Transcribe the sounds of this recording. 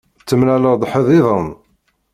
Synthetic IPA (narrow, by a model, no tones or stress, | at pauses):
t͡sːəmnæləʁd̪ˤħəðˤiðˤən